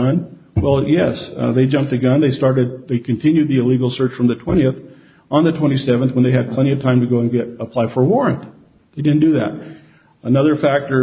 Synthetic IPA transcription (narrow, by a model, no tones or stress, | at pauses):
ʌ̃n | wɛlˠjɛsðeɪd͡ʒʌ̃mp̚tɨɡʌ̃nðeɪstɑɹɾɨd̪̚ðeɪkʰɨ̃n̩tʰɪ̃njʉd̪̚ðiɨliɡl̩ˠsɜ˞t͡ʃfɹʌ̃mðɨtʰw̥ɛ̃ɾ̃iɨθ | n̩ðɨtʰw̥ɛ̃ɾ̃isɛvɨ̃nθwə̃nðeɪɨd̚pʰl̥ɛ̃ɾ̃iʌv̥tʰãɪ̃mtɨɡoʊə̃nɡɛɾəpʰl̥aɪfə˞wɔɹɨ̃nt | ðeɪdɪdⁿn̩d̥ɨðæ̰t̚ | ənʌðə˞fæk̚tə˞